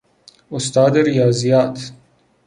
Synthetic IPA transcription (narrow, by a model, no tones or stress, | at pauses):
ʊst̪ɑːd̪eɾijɑːzijɑːt̪